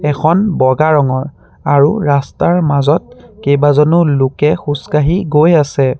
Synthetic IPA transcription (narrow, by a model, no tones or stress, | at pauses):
ɛkʰɔnbɔɡaɹɔŋɔɹ | aɹuɹastaɹmazɔt̚kejbazɔnʊlʊkɛxuskaɦiɡojasɛ